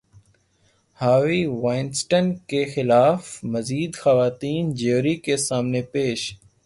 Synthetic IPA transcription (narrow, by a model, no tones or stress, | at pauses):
haːʋiːʋaɪnsʈənkexɪlaːfməziːd̪xəʋaːt̪iːnd͡ʒeːɾikesaːmnepeːʃ